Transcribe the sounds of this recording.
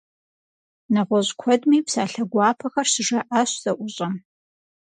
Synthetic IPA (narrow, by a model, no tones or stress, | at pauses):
nɐʁʷɔʑkʷʰɔdmiːpsaːɬɐɡʷɑːpʰɐxɐrsɨʐɐʔaɕz̥ʼɐʔʷʊɕʼɐm